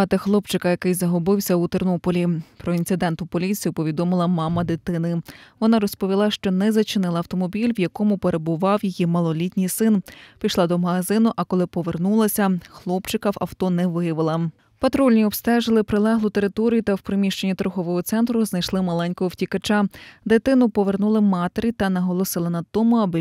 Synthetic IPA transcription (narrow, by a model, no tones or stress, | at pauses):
ɑt̪ɪxlˠɔpt͡ʃɪkɐjɐkɪjzɐɦɔbɪwsʲɐut̪ernɔpɔlʲipɾɔint̪ɪd̪ɛnt̪ʊpɔlʲit͡sʲijʊpɔʋʲid̪ɔmɪlˠɐmɑmɐd̪ɪt̪ɪnɪʋɔnɑɾɔspɔʋʲilˠɑʃt͡ʃɔnɛzɐt͡ʃɪnɪlˠɐwt̪ɔmɔbʲilʲʋjɐkɔmʊpe̞ɾe̞bʊʋɑwjijimɐlˠɔlʲitʲnʲijsɪnpʲijʃlˠɑd̪ɔmɐɦɐzɪnʊʔɐkɔlˠɪpɔʋernulˠɐsʲɐxlˠɔpt͡ʃɪkɐwɐ̰wt̪ɔnɛʋɪjɐʋɪlˠɐ | pɐt̪ɾɔlʲnʲiɔbst̪ɛʒɪlˠɪpɾɪlˠɛɦlˠʊt̪eɾɪt̪ɔɾʲijʊt̪ɐwpɾemʲiʃt͡ʃenʲːit̪ɾɔɦɔʋɔɦɔt̪sɛnt̪ɾʊznɐjʃlˠɪmɐlˠɛnʲkɔɦɔwtʲikɐt͡ʃad̪et̪ɪnʊpɔʋernulˠɪmɑt̪eɾʲit̪ɐnɐɦɔlˠɔsɪlˠɐnɐd̪̚t̪ɔmʊɐbɪ